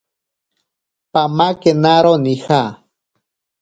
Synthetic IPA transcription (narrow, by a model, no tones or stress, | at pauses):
pamakenaɾonixa